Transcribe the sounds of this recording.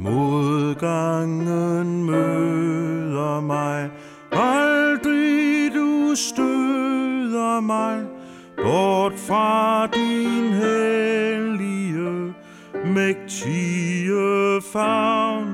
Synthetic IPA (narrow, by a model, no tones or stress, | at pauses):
moððˠɡ̥ɑŋənmø | ðˠɐmɑɪ | ald̥ʁidusd̥ø | ðˠɐmɑɪ | b̥ɔd̥fʁɑd̥inɦe | liə | meɡ̥̚t͡sʰiəfɑʊn